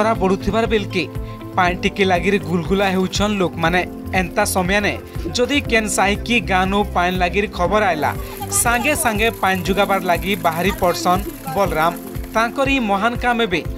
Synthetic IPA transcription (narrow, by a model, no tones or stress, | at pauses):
ɔɾabɔɽut̪ʰibaɾbelki | pajɲʈikilaɡiɾɡulɡulaɦewt͡ʃʰɔnlokmaneː | nt̪asɔmjanɛ | d͡ʒɔd̪ikensaɦikiɡanupanlaɡiɾkʰɔbɔɾajla̰ | saŋɡesãŋɡepaɲd͡ʒuɡabaɾlaɡibaɦaɾipɔɾsɔnbɔlɾam | t̪ãkɔɾimɔɦankamebe